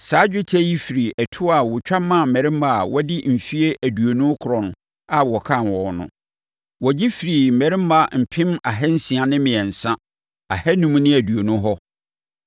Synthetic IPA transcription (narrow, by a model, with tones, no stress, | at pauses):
saː˨˦d͡ʑᶣʊ˦tʰɛ˦ji˦fi˨ɾi˨ʔɛ˨tʰʊ˦a˨wʊ˨t͡ɕᶣa˦mːã˦˨mɛ˨ɾɪ̃˦mba˦a˨wɔ˦dɪ˦m̩˨fi˦e˦ʔæ˨du˨o˨nũ˦kʰʊ˨ɾɔ̃˨n˨ | a˨wɔ˨kʰã˦˨nwɔ̃˨nʊ̰̃˨ | wɔ˨d͡ʑi˦fi˨ɾi˨m̩˨mɛ˨ɾɪ̃˦m˦ba˨m̩˨pʰɪ̃˦ma˨ɦɛ˦n̩˦sĩ˨a˨nɪ̃˦mɪ̃˨ɛ˨n̩˨sã˦ | a˨hɛ˦nũ˦m˦nɪ̃˦æ˨du˨o˨nũ˦ɦɔ˦